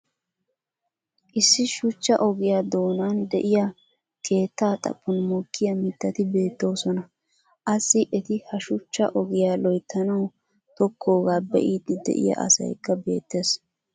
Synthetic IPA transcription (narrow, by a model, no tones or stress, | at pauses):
ʔɪsːɪʃʊt͡ʃːɐʔɔɡɪjad̪o̞ːnaːnd̪ɛʔɪja | kʰe̞ːt̪ːaːt̪ʼɐ̰pːʊnmʊkʰːɪjɐmɪt̪ːɐt̪ɪbe̞ːt̪ːo̞ːsɔnɐ | ʔɐsːɪʔɛt̪ɪhɐʃʊt͡ʃːɐ̰ʔɔɡɪjaːlɔjt̪ʰːɐnɐw | t̪ɔkʰːo̞ːɡaːbɛ̰ʔiːd̪ɪd̪ɛ̰ʔɪ̰jɐ̰ʔɐ̰sɐ̰jkːɐbe̞̰ːt̪ːe̞ːs